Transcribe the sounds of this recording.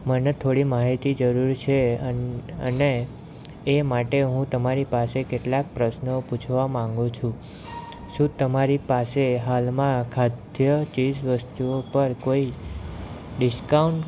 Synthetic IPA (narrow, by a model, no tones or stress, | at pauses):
mənet̪ʰoɽimaɦit̪id͡ʒəɾuɾt͡ʃʰe | ə̰neː | maʈeɦũt̪əmaɾipasekeʈlak̚pɾəʃnoput͡ʃʰʋamãŋɡũt͡ʃʰũ | ʃũt̪əmaɾipaseɦalmãkʰad̪jət͡ʃisʋəst̪uopəɾkoi | ɖɪskauɳʈ